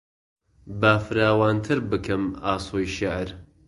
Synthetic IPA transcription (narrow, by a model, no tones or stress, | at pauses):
baːfɨɾaːwaːnt̪ʰɨɾbɨkʰɨmaːsoːjʃɪʕɾ